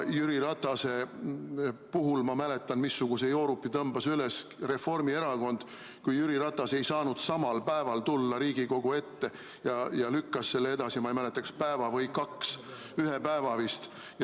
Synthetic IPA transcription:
jyɾiɾɑt̪ːˑɑse̞ | puɦulmɑmælet̪ˑːɑnmisːuɡ̥use̞jo̞ːɾupːit̪ɤmbɑsyles | re̞fo̞rmie̞ɾɑko̞nd̪̥ | kujyɾiɾɑt̪ːˑɑse̞jsɑːnud̪̥sɑmɑlpæe̞vɑlt̪ulːɑɾiːɡ̥iko̞ɡ̥ue̞t̪ːe̞ | jɑjɑlykːɑsse̞lːee̞d̪̥ɑsiɑmɑejmælet̪ːˑɑkspæe̞vɑvɤjkɑks | yɦepæevɑvist̪ | j

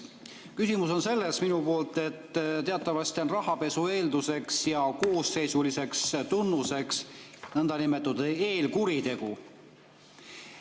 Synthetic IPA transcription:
kysimuso̞nse̞lːesminupo̞ːlt̪e̞t̪ːt̪e̞ɑt̪ːˑɑvɑst̪io̞nrɑhɑpe̞sue̞ːld̪use̞ksjɑko̞ːse̞jsulise̞kst̪unːuse̞ksnɤnd̪ɑnime̞t̪ːˑud̪̥eːlkuɾit̪e̞ɡu

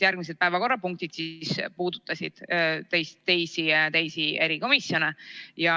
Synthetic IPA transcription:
jærɡ̥mis̬e̞d̪̚pæevɑko̞rːɑpuŋk̚t̪id̪̥sispuːd̪̥ut̪ːˑɑsʲid̪̥t̪ejst̪ːe̞jsit̪ejsieɾiko̞misjo̞nejɑ

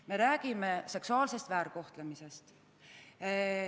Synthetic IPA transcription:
me̞ɾæːɡ̥ime̞se̞ksuɑːlse̞st̪væːɾko̞ht̪lemise̞st̪

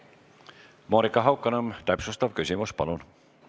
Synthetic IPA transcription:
moːɾikːɑɦɑwkːˑɑnɑmt̪æpsust̪ɑv̥kysʲimuspɑ̰lun

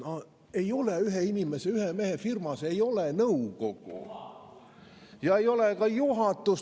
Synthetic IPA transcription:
no | e̞jo̞leyɦeinimeseyɦemeɦefirmɑseejo̞lenɤuɡoɡ̥ṵ | jɑejo̞lekɑjuɦɑt̪ːˑus

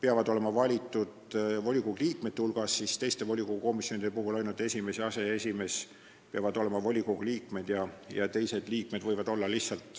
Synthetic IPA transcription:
peɑvɑd̪o̞le̞mɑvɑlʲit̪ːˑud̪vo̞lʲikuɡ̥liːkme̞t̪ːeulɡ̥ɑsːist̪e̞jst̪e̞vo̞lʲikuɡuko̞misjo̞nid̪̥epuɦulɑjnult̪e̞sʲime̞seɑse̞esʲime̞s | peɑvɑd̪̥o̞le̞mɑvo̞lʲikuɡliːkme̞d̪̥jɑjɑt̪e̞jse̞d̪liːk̚me̞d̪̥vɤjvɑd̪o̞lːɑlihsɑlt̪ˑ

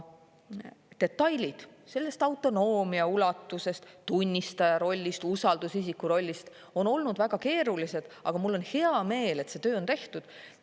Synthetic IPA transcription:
t̪e̞t̪ːˑɑjlʲid̪̥se̞lːe̞st̪ɑwt̪ːˑo̞no̞ːmiɑulɑt̪ːˑuse̞st̪t̪unʲːist̪ɑjɑɾo̞lʲːist̪usɑld̪̥usisikːuɾo̞lʲːist̪ | o̞no̞lnud̪væɡ̥ɑke̞ːɾulise̞d̪̥ʔɑ̰ɡ̥ɑmulːo̞nhe̞ɑme̞ːle̞t̪se̞t̪ø̞ːo̞nt̪e̞ht̪ud̪̥

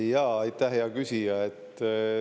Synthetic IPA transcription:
jɑːɑjt̪ːæhɦejɑkysijɑet̪ː

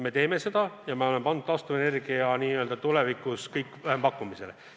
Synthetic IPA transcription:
me̞t̪e̞ːme̞se̞d̪̥ɑjɑmeo̞le̞mpɑnd̪̥̚t̪ɑst̪ue̞ne̞rɡ̥iɑniːø̞ld̪̥ɑt̪ule̞vikuskɤjkːˑvæɦempɑkːˑumise̞le

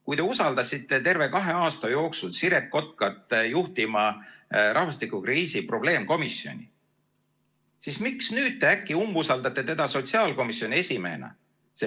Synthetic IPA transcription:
kujt̪e̞usɑld̪ɑsʲit̪ːˑe̞t̪e̞rve̞kɑɦe̞ɑːst̪ɑjo̞ːksulsiɾe̞t̪̚ko̞t̪̚kɑt̪ːˑjuht̪imɑrʔɑhvɑst̪ikˑukriːsipro̞b̥le̞ːmko̞misːjo̞̰nʲi | sismiksnyːd̪̚t̪e̞ækːˑiumbusɑld̪ɑt̪ːˑe̞t̪e̞d̪̥ɑso̞t̪siɑːlko̞misjo̞nʲie̞sʲime̞̰ːnɑ̰ | se

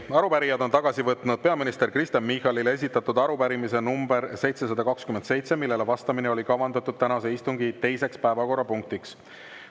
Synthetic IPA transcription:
ɑɾupæɾijɑd̪o̞nt̪ɑɡ̥ɑsivɤt̪ˑnud̪̥̚pe̞ɑminist̪e̞ɾkrist̪ɑnmihɑlile̞s̬ʲit̪ːˑɑt̪ːud̪ɑɾupæɾimise̞numbe̞ɾse̞jt̪se̞s̬ɑd̪ɑkɑkskyme̞nt̪se̞jt̪se̞milːe̞levɑst̪ɑmineo̞lʲikɑvɑnd̪̥ɑt̪ːˑud̪̥̚t̪ænɑse̞ist̪uŋɡit̪e̞jse̞kspæevɑko̞rːɑpuŋk̚t̪iks

